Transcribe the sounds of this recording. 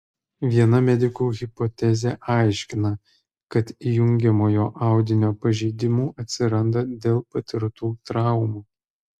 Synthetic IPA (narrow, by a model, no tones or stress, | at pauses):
ʋʲiɛnɐmʲɛd̪ʲɪkuːɣʲɪpɔt̪ʲɛzʲeːʔɑˑɪʃʲkʲɪnɐ | kɐt̪ijʊŋʲɡʲɛmoːjoːʔɑˑʊd̪ʲɪnʲoːpɐʒʲɛɪd̪ʲɪmuːʔɐt̪ʲsʲɪɾɐnd̪ɐd̪ʲeːlˠpɐt̪ʲɪɾt̪uːt̪ɾɑˑʊmuː